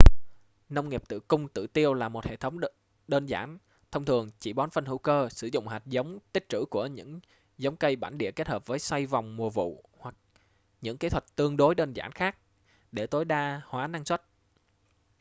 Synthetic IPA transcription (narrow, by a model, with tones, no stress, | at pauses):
na˧wŋ͡mŋi˨˩p̚t̪ɨ̰˧˨kʊ˧ŋ͡mt̪ɨ̰˧˨t̪i˧əwlaː˨˩mo˨˩t̚hḛ˧˨t̪ʰə˨˦wŋ͡m | ɗəː˧nza̰ː˧˩n | t̪ʰə˧wŋ͡mt̪ʰɨ˨˩əŋt͡ɕi˧˩ɓɔ˨˦nfə˧nhṵ˧˥kəː˧sɨ˧˩zʊ̰˧˨ŋ͡mɦa˨˩jt̚zə˨˦wŋ͡mt̪ï˦˥k̚t͡ɕɨ̰˧˥ku˧˩əɲɨ̰˧˥ŋ | zə˨˦wŋ͡mkə˧jɓa̰ː˧˩nɗḭ˧˨əke˦˥t̚həː˨˩p̚vəː˨˦jswa˧jva˨˩wŋ͡mmu˨˩vṵ˧˨ | hwa˨˩k̚ | ɲɨ̰˧˥ŋkeː˨˦t̪ʰwa˨˩k̚t̪ɨ˧əŋɗo˨˦jɗə˧nzaː˧˩nxaː˦˥k̚ | ɗe˧˩t̪o˨˦jɗaː˧hwaː˨˦na˧ŋswa˦˥t̚